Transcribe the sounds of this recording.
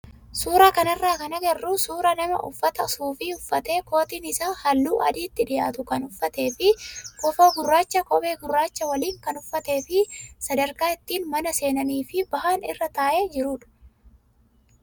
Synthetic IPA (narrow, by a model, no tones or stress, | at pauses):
suːɾaːkɐnɐrːaːkɐnɐɡɐrːusuːɾɐnɐmɐ̰ʔʊ̰fːɐt̪ɐsuːfɪʊfːɐt̪e̞ːko̞ːt̪iːnɪsaːhɐlːuːʔɐ̰d̪iːt̪ːɪᶑɪjaːt̪ʊkɐnʊfːɐt̪e̞ːfɪkɔfo̞ːɡʊrːaːt͡ʃːɐkɔbe̞ːɡʊrːaːt͡ʃːɐwɐliːŋkɐnʊfːɐt̪e̞ːfɪsɐd̪ɐɾkaːɪt̪ːiːnmɐnɐse̞ːnɐniːfɪbɐɦaːnɪ̰rːɐt̪aːʔe̞ːd͡ʒɪɾuːᶑɐ̥